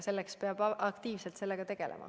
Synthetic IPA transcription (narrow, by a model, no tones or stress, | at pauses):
se̞lːekspeɑb̥ʔɑkt̪iːvselt̪se̞lːeɡ̥ɑt̪e̞ɡ̥e̞lʔḛmʔɑ̰